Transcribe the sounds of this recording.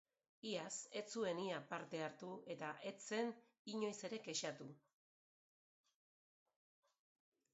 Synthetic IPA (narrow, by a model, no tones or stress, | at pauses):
iase̞t͡sue̞niapaɾt̪e̞aɾt̪ue̞t̪aʔe̞t͡se̞n | iɲo̞jse̞ɾe̞ɡe̞ʃat̪u